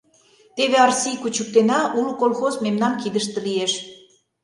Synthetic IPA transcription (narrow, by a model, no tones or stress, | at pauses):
t̪eβeɑrsʲijkut͡ɕək̚t̪enɑʔulukolxozmemnɑnkid̪əʃt̪ə̆lieʃ